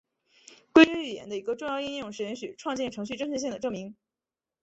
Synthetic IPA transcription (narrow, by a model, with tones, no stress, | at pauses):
kwe˥ɪə˧˥y˨˩jɛ̰˧˥nd̪ə˧i˧˥ɡə˧ʈ͡ʂʊ˥˧ŋjɑ˥˧ʊi˥˧njʊ˥˧ŋʂɻ̩˥˩jɛ˧˥nɕy̰˨˩ʈ͡ʂʰwɑ˥˧ŋt͡ɕɛ˥˩nʈ͡ʂʰɤ˧˥ŋɕ̬y˥˧ʈ͡ʂɤ˥ŋʂʰɻ̩˥˧ɕ̬i˥˩ŋd̪ə˩ʈ͡ʂɤ˥˩ŋmi˧˥ŋ